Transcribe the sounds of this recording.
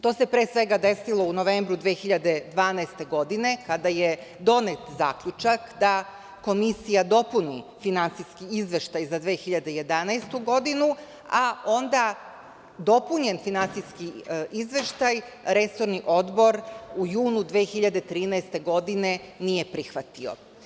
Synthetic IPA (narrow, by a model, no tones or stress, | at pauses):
t̪o̞ːse̞pɾeːsʋe̞ɡad̪e̞silˠo̞unoʋe̞mbɾud̪ʋeːxiʎad̪e̞d̪ʋaːnaest̪e̞ɡo̞d̪ine̞kad̪ajed̪o̞net̪za̰ːkʎut͡ʃakd̪a | ko̞misijad̪o̞punifinant̪siskiizʋe̞ʃt̪ajzad̪ʋeːxiʎad̪eje̞d̪anast̪uɡo̞d̪inu | ao̞nd̪a | d̪o̞puɲe̞nfinantsijskiizʋe̞ʃt̪aj | ɾe̞so̞ɾniʔo̞d̪bo̞ɾujuːnud̪ʋeːxiʎad̪et̪ɾiːnaest̪e̞ɡo̞d̪ine̞nije̞pɾixʋat̪io̞̰